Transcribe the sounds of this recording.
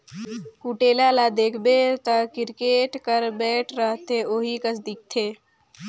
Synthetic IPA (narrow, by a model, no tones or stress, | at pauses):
kuːʈeːlalad̪eːkʰbet̪əkɪɾkeːʈkəɾbɛːʈʰɾəɦt̪ʰeoːɦikəsd̪ik̚t̪ʰeː